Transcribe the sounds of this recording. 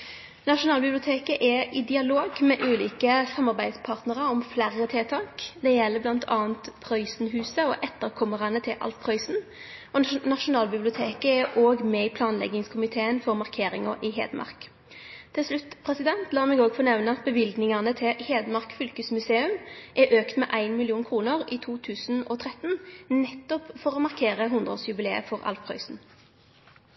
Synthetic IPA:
nɑʂʊnɑːlbɪblɪʊt̪ʰeːkəʔɛɪd̪ɪɑloːɡmɛʔʉːlḭːkəsɑmːɑʁbæɪd̪spʰɑʁt̪nəʁɑɔmflæɾət̪ʰɛlt̪ʰɑːkd̪ɛjɛlːəblɑnt̪ʰɑːənt̪pʰʁœʏsnɦʉːsəɔʔɛt̪ːəʁkʰɔməʁɑnət̪ʰɪlʔɑ̰lt̪̚pʰʁœʏsn | ɔnɑʃʊnɑːlbɪblɪʊt̪ʰeːkəɛʔoːɡmɛɪpʰlɑːnlɛ̰ɡɪŋskʰʊmɪt̪ʰeːənfɔʁmɑʁkʰeːɾɪŋɑʔɪɦḛːd̪mʔɑ̰ʁk | t̪ʰɪlslʉt̪ːpʰʁɛsɪd̪ɛnt̪lɑːʁmɛːɡoːɡfɔːnɛʋnəɑt̪̚bəʋɪlɡ̪nɪŋɑnət̪ʰɪheːd̪mɑʁkfʏlkəsmʉseːʉmʔæʔøːkt̪mɛ̰ʔæɪnmɪlɪuːnkʰʁuːnəʁiːt̪ʰuːt̪ʰʉːsn̩ɔ̰ːt̪ʰʁɛt̪nnɛt̪ːɔpfɔʁɔːmɑʁkʰeːʁəɦʊnd̪ʁɔ̰ːsjʉbɪleːə̰fɔʁɑ̰lfpʰʁœʏsn̩

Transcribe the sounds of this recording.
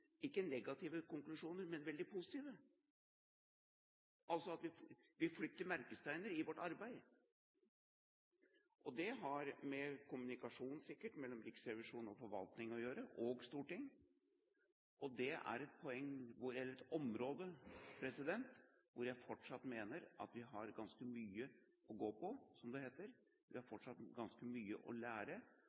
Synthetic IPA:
ɪkːənɛɡɑt̪ʰiːʋəkʊŋklʉʂuːnəɾmɛnʋɛld̪ɪpʰʊsɪ̥t̪ʰiːʋə | ʔɑlsɔɑt̪ʋɪʋɪflʏt̪ːəɾmæɾkəst̪ʰæɪnəɾɪʋɔʈːɑɾbæɪ | ʔɔd̪ɛɦɑɾmɛkʰʊmʉnɪkɑʂuːnn̩sɪkːəʈmɛlːɔmɾɪksɾɛʋɪʂuːnɔfɔɾʋɑ̰lt̪nɪŋɔjøːɾəʔɔɡst̪uːʈɪŋː | ɔd̪ɛʔæ̰ɾɛt̪̚pʰɔɛŋːʋʊjɛlːəɾɛt̪ɔmɾoːd̪əpʰɾɛsɪd̪ɛnt̪ʋʊɾjæɪfɔʈʂɑt̪ːmeːnəɾʔɑ̰t̪ʋɪɦɑɾɡɑnskəmyːə | ʔɔɡoːpʰɔsɔmd̪ɛheːt̪əɾ | ʋɪhɑɾfɔʈʂɑt̪ɡɑnskəmyːə̰ʔɔ̰læːɾə

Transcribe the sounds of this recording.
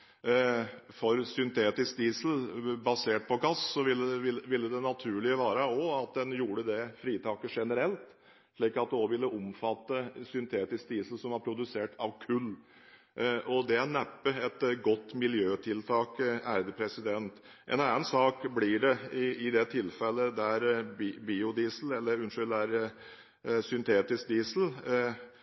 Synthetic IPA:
fɔɾsʏnt̪ʰeːt̪ɪsk̚d̪iːsl̩bɑseːʈ̚pʰɔɡɑssɔʋɪlːɪlʋɪlːəd̪ɛnɑt̪ʰʉːɭɪəʋæːɾəɔɑt̪̚d̪ɛnjuːɖəd̪ɛfɾiːt̪ʰɑːkəʂɛnəɾɛlt̪ | ʂɭiːkɑt̪̚d̪ɛɔʋɪlːəʔʊmfɑt̪ːəsʏnt̪ʰeːt̪ɪsk̚d̪iːsl̩sɔmʋɑɾpʰɾʊd̪ʉseːʈɑʋkʰʉlː | ʔɔd̪ɛænæpːəɛt̪ɡɔt̪ːmɪljøːt̪ʰɪlt̪ʰɑːkæːɾd̪əpʰɾɛsɪd̪ɛnt̪ | ʔɛ̰nɑːənsɑːkblɪɖɛɪɪd̪ɛt̪ʰɪlfɛlːəd̪æɾbiːʊd̪iːsl̩ɛlːəɾʉnʂʏlæɾ | sʏnt̪ʰeːt̪ɪsk̚d̪iːsl̩

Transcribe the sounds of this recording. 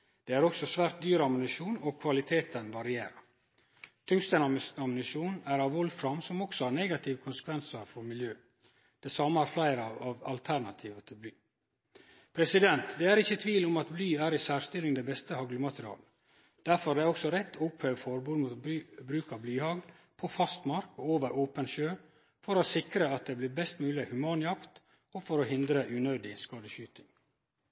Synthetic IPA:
d̪̥ɛːæɾɔksɔsʋæːɾt̪̚d̪yːɾəɑmɪnɪʂuːnɔkʰʋɑlɪt̪ʰeːt̪ənʋɑɾɪeːɾə | t̪ʰʏŋst̪ənɑɑmɪnɪʃuːnæɾɑʋhɔlfɾɑmsɔmɔksɔɑːɾneːɡɑt̪ʰɪʋəkʰʊnsə̥kʰʋɛnsəɾfɔɾmɪljøː | d̪̥ɛsɑːmːəhæːɾflæɪɾəɑʋɑʋɑlt̪ʰæɾɳɑt̪ʰiːʋət̪ʰɪlblyː | pʰɾɛsɪd̪ɛnt̪d̪ɛæɾɪçːət̪ʰʋiːlʊmɑt̪blyːæːɾisæːɾst̪ɪlɪŋd̪ɛbɛst̪əhɑɡlʊmɑt̪ɾɪɑ̰ːl | d̪̥æɾfɔɾd̪ɛæɾɔksɔɾɛt̪ʰːʊphœʋfɔɾbuːd̪muːt̪ːbɾʉːkɑblyːhɑɡl | pʰɔfɑst̪mɑɾkɔoːʋəɾʔoːpənʃøː | fɔɾosɪkɾəɑt̪̚d̪ɛːblɪɾbɛst̪mʉːlɪhʉmɑːnjɑkt̪ | ɔfɔɾoɦɪnd̪ɾəʔʉnøːd̪ɪskɑːd̪əɕyːt̪ɪŋ

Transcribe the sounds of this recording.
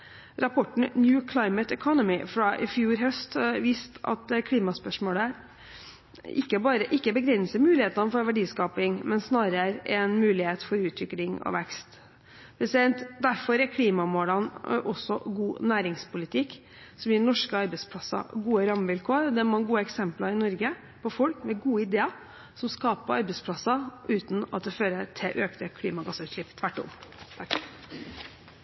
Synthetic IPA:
ɾɑpʰɔʈːɳ̩njuːkʰlɑɪmət̪ɛkʰɔnəmɪfɾɑʔɪfjuːɾɦœst̪ʋiːst̪ʰɑ̰t̪̚d̪ɛkʰliːmɑspœʂmoːlə | ɪkːəbɑːɾəʔɪkːəbəɡɾɛnsəɾmʉːlɪheːt̪nɑnəfɔɾʋæɖiːskɑːpɪŋmɛnsnɑːɾəəɾɛnmʉːlɪheːt̪fɔɾʉːt̪ʰʋɪklɪŋɔ̰ʋɛkst̪ | pʰɾɛsɪd̪ɛnt̪d̪æɾfɔɾɛkʰliːmɑmoːlɑnʔɔsɔɡuːnæːɾɪŋspʰʊlɪt̪ʰɪkː | sɔmjɪnɔʂkəɑɾbɛspʰlɑsɑ̰ɡuːəɾɑməʋɪlkʰoːəɾd̪ɛæɾmɑnɡuːəɛksɛmplɑɾɪnɔɾɡə | pʰɔfɔlkmɛɡuːəɪd̪eːɑ | sɔmskɑːpəɑɾbɛspʰlɑsːɑʉːt̪n̩ɑ̰t̪̚d̪ɛføːɾət̪ʰɛʔøːkt̪əkʰliːmɑɡɑsəʉt̪ʂɭɪpːt̪ʰʋæʈːɔ̰mt̪ʰɑk

